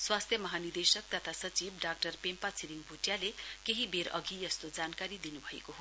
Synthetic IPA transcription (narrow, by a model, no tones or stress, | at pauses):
swast̪ʰjʌmʌɦanird̪esʌk̚t̪ʌt̪ʰasʌt͡sibɖak̚ʈʌrpempat͡sʰiɾiŋbʱuʈjalekeɦibeɾʌ̰ɡijʌst̪od͡zankaɾid̪inubʱʌḛkoɦo